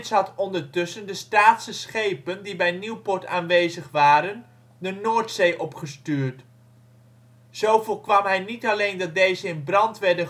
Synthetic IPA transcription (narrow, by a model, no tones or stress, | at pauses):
tsɦɑtɔndəɹtɵsəndəstaːtsəsχejpəndibɛjniwpɔɹta̰ːnʋejzəχʋaːɾən | dənoːɹtsejʔɔpχəstyːɹt | z̥owvʊːɹkʋɑmɦɛjnitɑlejndɑt̚dejzəɪnbrɑntʋɛɹdə